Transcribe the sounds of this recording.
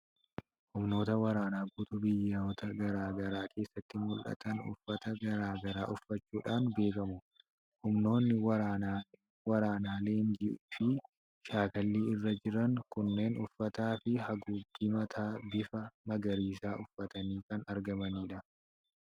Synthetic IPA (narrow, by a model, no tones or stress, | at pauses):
hʊmno̞ːt̪ɐwɐɾaːnaːbut̪ʊbɪjːaɔt̪ɐɡɐɾaːɡɐɾaːkʰe̞ːsːɐt̪ːɪmʊlʔɐ̰t̪ɐnʊ̰fːɐt̪ɐɡɐɾaːɡɐɾa̰ːʔʊfːɐt͡ʃːuːᶑaːnbe̞ːkɐmʊ | hʊmno̞ːnːɪwɐɾaːna | wɐɾaːnaːle̞ːnd͡ʒɪfɪ | ʃaːkɐlːiːɪrːɐd͡ʒɪɾɐŋkʊnːe̞ːnʊfːɐt̪aːfɪhɐɡudimɐt̪ʰaːbɪfɐmɐɡɐɾiːsaːʔʊfːɐt̪ɐniːkɐnɐɾɡɐmɐniːᶑɐ